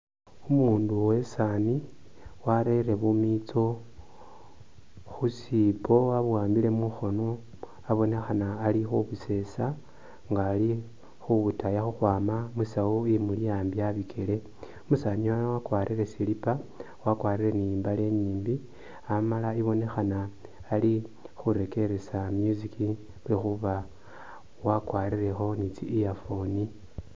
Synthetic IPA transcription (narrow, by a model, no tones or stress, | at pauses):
umuːnduwe̞sani | waɾeɾe̞βumit͡so̞ | xusipo̞aβwaːmbile̞muxo̞no | aβo̞ne̞xanaːlixuβuse̞sa | ŋɡaːli | xuβutajaxuxwaːmamusawoimulijaːmbiaβikʰele̞ | musaɲuanawakwaːɾʔire̞silipa | wakwaːɾire̞nimbale̞ɲiːmbi | amalaiβo̞ne̞xanaː | lixuɾe̞ke̞ɾe̞samjuziki | βexuβa | wakwaːɾire̞xo̞nit͡siːjafo̞ni